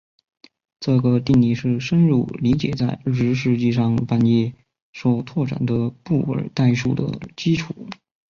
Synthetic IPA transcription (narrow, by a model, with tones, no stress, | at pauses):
ʈ͡ʂɤ˥˩ɡə˩t̪i˥˩ŋli˥˩ʂɻ̩˥˩ʂə˥nɻu˥˩li˧˥t͡ɕjɛ̰˨˩t͡sa˥˩ɪʈ͡ʂɻ̩˧˥ʂɻ̩˧˥t͡ɕi˥˧ʂɑ˥˩ŋpa˥njɛ˥˩ | ʂo˥˧ʊt̪ʰwɔ˥˩ʈ͡ʂa̰˨˩nd̪ə˦pu˥˩wə̰˞˨˩˦t̪a˥˧ɪʂṵ˥˩d̪ə̰˩t͡ɕi˥ʈ͡ʂʰu˨˩˦